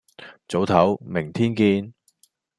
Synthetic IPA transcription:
t͡so˨˥wt̪ʰɐ˨˥wmɪ˨˩ŋt̪ʰiː˥nkiː˧n

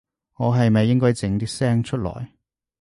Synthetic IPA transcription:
ŋɔː˨˧ɦɐ˨jmɐ˨jːɪ˥ŋkɔː˥jt͡sɪ˨˧˥ŋt̪iː˥sɛː˥ŋt͡ʃʰɵ˥t̚lɔ̰ː˨˩j

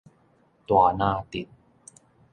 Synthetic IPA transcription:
t̪u˨˧naː˥˩t̪i˨˩t̪̚

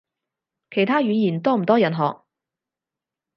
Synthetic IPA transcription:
kʰe˨˩jt̪ʰaː˥ɥyː˨˧njiː˨˩nt̪ɔː˥m̩˨˩t̪ɔː˥jɐ˨nɦɔː˨k̚

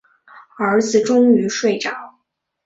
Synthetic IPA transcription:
ə˞˧˥d͡zɹ̩˨˩ʈ͡ʂʊ˥ŋy˧˥ʂwe˥˩ɪʈ͡ʂɑ˨˩˦ʊ

